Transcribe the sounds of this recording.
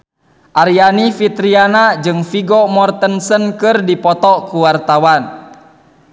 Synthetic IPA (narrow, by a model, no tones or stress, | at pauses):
ʔaɾijanifit̪ɾianad͡ʒɨŋfiɡɔmɔrt̪ənsənkɨrdipɔt̪ɔkuwart̪awan